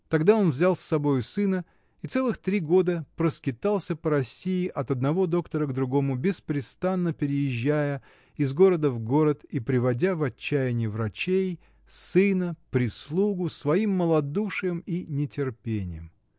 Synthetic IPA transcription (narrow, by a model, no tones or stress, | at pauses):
t̪ɐɡd̪ao̞nvzʲalˠsːɐbo̞jʊsɨnə | it̪sɛlˠɨxt̪ɾʲiɡo̞d̪əpɾəskʲɪt̪alˠsʲəpəɾɐsʲijɪʔɐt̪ɐd̪nɐvo̞d̪o̞kt̪əɾəɡd̪ɾʊɡo̞mʊbʲɪspɾʲɪst̪anːəpʲɪɾʲɪjɪʑːæjə | ɪzɡo̞ɾəd̪əvɡo̞ɾət̪ipɾʲɪvɐdʲavɐt͡ɕːæjɪnʲɪjɪvɾɐt͡ɕej | sɨnəpɾʲɪslˠuɡʊsvɐimːəlˠɐd̪uʂɨjəminʲɪtʲɪrpʲenʲɪ̰jəm